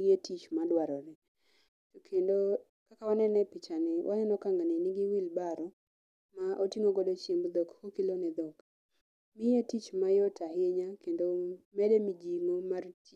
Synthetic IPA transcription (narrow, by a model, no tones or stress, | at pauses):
etit͡ʃmadwaɾɔɾɛ | tokʰendo | kakawanɛnɛpɪt͡ʃanɪwʔajɛnɔkaŋɡanɪniɡiwilbaɾɔ | maʔotiŋoɡodot͡ʃimbd̪ɔkhokilonɛd̪ɔk | mɪetit͡ʃmajɔtaɦeɲakendomɛdɛmid͡ʒiŋomart